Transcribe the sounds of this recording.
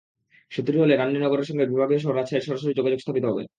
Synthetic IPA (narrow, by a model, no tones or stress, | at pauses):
ʃot̪ːɾiɦoleɾanːinɔɡoɾeɾʃɔŋɡebibʱaɡioʃ̬ɔɦoɾat͡ɕʰaeɾʃɔɾaʃoɾid͡ʑoɡad͡ʑoɡst̪ʰapit̪oɦɔbḛ